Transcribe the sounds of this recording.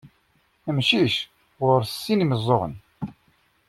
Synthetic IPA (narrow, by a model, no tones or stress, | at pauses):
əmʃiʃ | ʁʊɾsːiniməzˤːoʁə̰n